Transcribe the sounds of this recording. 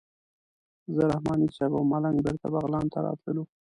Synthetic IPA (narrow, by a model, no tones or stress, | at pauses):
zəɾahmɑnit͡ʃɑbawmalaŋɡbɪɾt̪abaɣlɑnt̪aɾɑ̰t̪ləlu